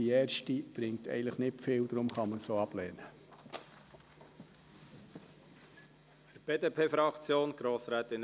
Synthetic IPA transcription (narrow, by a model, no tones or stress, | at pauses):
iɛːɾʃtib̥ɾɪŋ̚t̪ɛ̰ɪələχnɪtfɪːld̪ɾʊmχɑməsoːɑb̥lɛːnə | fəɾb̥eːd̪eːpʰeːfɾɑkt͡sjoːnɡ̥ɾoːsɾæːt̪ɪn